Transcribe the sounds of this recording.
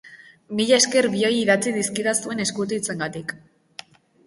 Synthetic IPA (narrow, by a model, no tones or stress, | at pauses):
miʎae̞ske̞ɾβio̞jiðat͡siðiskiðasue̞ne̞skut̪uit͡se̞ŋɡat̪ik